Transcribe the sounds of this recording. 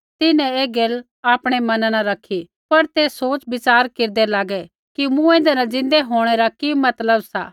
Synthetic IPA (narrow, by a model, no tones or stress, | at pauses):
t̪ɪnɛ̃eːɡel | aːpɽ̃emɐnãnãɾɐkʰːi | pɐɾt̪eːsoːt͡ʃbɪt͡ʃaːɾkeːɾd̪ɛlaːɡɛ | kimũẽːnd̪ɛnad͡zɪ̃nd̪ɛɦoːɽ̃eɾakimɐt̪ləbsa̰ː